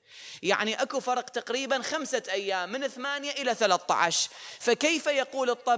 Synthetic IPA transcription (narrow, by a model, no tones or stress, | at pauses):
ja̰ʕniʔakufɑɾˤqt̪aqɾiːbanxamsaʔajːaːmːɪnɪθmaːnjaʔɪlaθalaθt̪ˤːɑ̰ʕɑʃfakejfajaquːlɨt̪ˤːɑ